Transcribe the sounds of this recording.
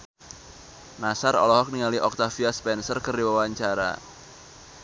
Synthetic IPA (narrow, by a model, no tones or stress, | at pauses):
nasarɔ̰lɔɦɔk̚niŋaliʔɔk̚t̪afiaspɛnsərkərdiwawaɲt͡ʃaɾa̰